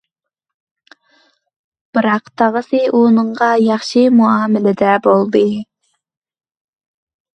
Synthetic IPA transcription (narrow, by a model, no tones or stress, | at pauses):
b̥ɨɾɑqt̪ʰɑʁəsɨʔunɨɴʁɑjɑχʃimuɑːmɪlɪd̪ɛbolˠd̪ɨ